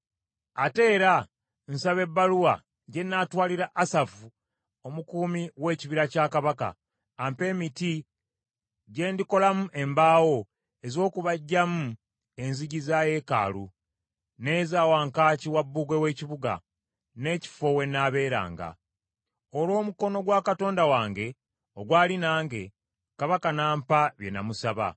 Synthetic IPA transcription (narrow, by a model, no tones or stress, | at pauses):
ate̞ːɾa | n̩saβe̞bːaluwa | ɟe̞nːaːtwaːliɾaʔːsafu | o̞mukuːmiwe̞ːciβiɾacaːkaβaka̰ː | mpe̞ːmiti | ɟe̞ːndiko̞lamuʔe̞mbaːwo̞ | e̞zo̞ːkuβaɟːamu | e̞nziɟizaːje̞ːka̰ːlu | nezaːwaːŋkaːciwabːuːɡwe̞we̞ːciβuɡa̰ | ne̞ːci̥fo̞we̞nːaβe̞ːɾa̰ːŋɡa̰ | o̞lwo̞ːmuko̞no̞ɡwaːkato̞ːndawaːŋɡe̞ | oɡwaːlinaːŋɡe̞ | kaβakanaːmpaβje̞̰na̰musaβa̰